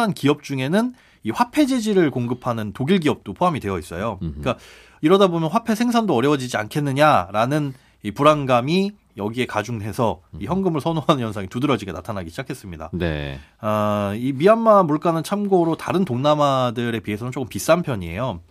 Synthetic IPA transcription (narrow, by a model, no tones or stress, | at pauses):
ankiʌp̚t͡ɕ͈uŋe̞nɯn | iɸwapʰe̞d͡ʑid͡ʑiɾɯɭkoŋɡɯpʰanɯntoɡiɭɡiʌp̚t͈opʰoɦamidwe̞jʌis͈ʌjok͈a | iɾʌdabomjʌnɸwapʰe̞sʰe̞ŋsʰandoʌɾjʌwʌd͡ʑid͡ʑia̰nkʰe̞nːɯɲaɾanɯn | ipuɾanɡami | jʌɡie̞kad͡ʑuŋɦe̞sʰʌiçjʌŋɡɯmɯɭsʰʌnoɦanɯnjʌnsʰaŋitudɯɾʌd͡ʑiɡena̰tʰanaɡiɕʰid͡ʑakʰe̞s͈ɯmɲida̰nḛaimianmamuɭk͈anɯnt͡ɕʰamɡoɾota̰ɾɯntoŋnamadɯɾe̞pie̞sʰʌnɯnt͡ɕ͈ok͈ɯmpis͈ampʰjʌɲie̞̰jo